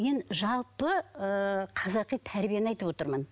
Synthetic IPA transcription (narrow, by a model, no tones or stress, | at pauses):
enʒɑlˠpəəqʰɑzɑqijt̪ʰæɾbijenɑjt̪əpwo̞t̪əɾmən